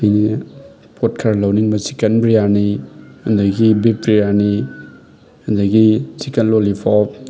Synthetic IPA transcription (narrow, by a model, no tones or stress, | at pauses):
ini | pʰot̚kʰaɾalawniŋbɐsi̥kɐnbɾijanihunduɡibep̚ɾijani | hɐndaɡisikɐnlolipʰɔp̚